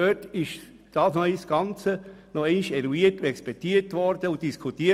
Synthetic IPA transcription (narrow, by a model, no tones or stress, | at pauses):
øtɪʃ | d̥ɑːsnœʏsɡ̥ɑnt͡sənɔɛɪniʃɛɾuiətɛkspɛtiətʋɔɾd̥əʊt̚d̥iskʰutiːə